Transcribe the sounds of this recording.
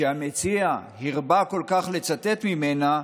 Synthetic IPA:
eamet͡siahiʁbako̞lkaχle̞t͡sat̪e̞t̪mimena

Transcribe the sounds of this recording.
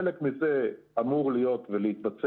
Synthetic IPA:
lekmizeamuʁlijo̞t̪veleit̪bat͡s

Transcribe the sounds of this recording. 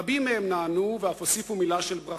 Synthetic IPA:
abimːehemnaːnuveafosifumilaʃelbʁa

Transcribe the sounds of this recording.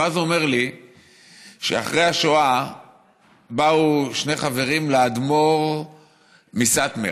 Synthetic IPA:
azome̞ʁli | ʃḛa̰χʁejaʃoa | bauʃneχave̞ʁimlead̪mo̞ʁ | misat̪mḛ

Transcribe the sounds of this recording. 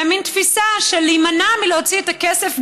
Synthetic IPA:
amint̪fisaʃelimanamileot͡siet̪akesef

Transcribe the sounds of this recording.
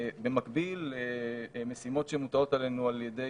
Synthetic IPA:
be̞makbilemesimo̞tʃemut̪ao̞t̪ale̞nualjede̞

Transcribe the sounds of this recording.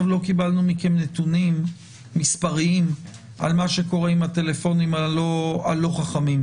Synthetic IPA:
vlo̞kibalnumikemnet̪unimː | ispaʁiim | ʔa̰lmaʃe̞ko̞ʁeimat̪e̞le̞fo̞nimaoalːo̞χaχamim

